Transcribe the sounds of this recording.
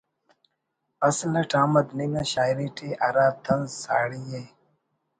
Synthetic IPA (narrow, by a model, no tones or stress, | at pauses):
ɐslɐʈʰãːmɐd̪ninɐɕaːjɾiʈʰeaɾaːt̪ʰɐnzsa̰ːɽije